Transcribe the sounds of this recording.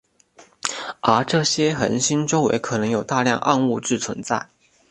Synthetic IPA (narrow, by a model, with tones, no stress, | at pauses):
ə˞˧˥ʈ͡ʂɤ˥˩ɕjɛ˥xə̰˧˥nɕi˥nʈ͡ʂo˥ŋwḛ˧˥ɪkʰɤ˨˩nɤ˧˥ŋjo˨˩ʊt̪a˥˧ljɑ̰˥˧ŋʔɑ˥˧ŋu˥˧ʈ͡ʂɻ̩˥˩t͡sʰwə̰˧˥nt͡sa˥˩ɪ